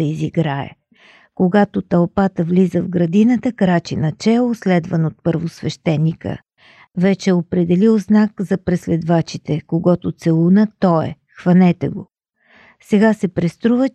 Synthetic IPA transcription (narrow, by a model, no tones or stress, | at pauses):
ɐiziɡɾaɛ̰ | koɡat̪ot̪ɐlˠpat̪əvlizəvɡɾɐd̪inət̪əkɾat͡ʃinɐt͡ʃɛlˠoslɛd̪vənot̪̚pəɾvosvɛʃt̪ɛnːikə̰ | vɛt͡ʃɛopɾɛd̪ɛlilˠznakzɐpɾɛslɛd̪vat͡ʃit̪ɛkoɡɔt̪ʊt̪sɛlˠunət̪ɔɛ̰ | xvɐnɛt̪ɛɡo | sɛɡasɛpɾɛst̪ɾuvə